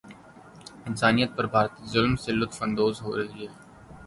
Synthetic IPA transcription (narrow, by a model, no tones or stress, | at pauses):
ɪnsaːnijət̪̚pɐɾbʱaːɾt̪izʊlmsɪlːʊt̪fɐ̃nd̪oːzɦo̰ːɾɐɦiːɦɛː